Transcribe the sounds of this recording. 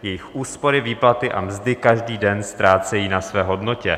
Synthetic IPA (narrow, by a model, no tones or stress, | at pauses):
jɛjɪxʔuːspo̞ɾɪviːplat̪ɪʔa̰mzdɪkaʒdiːdɛnst̪ɾaːt͡sɛjiːnasvɛːɦo̞dno̞cɛ̰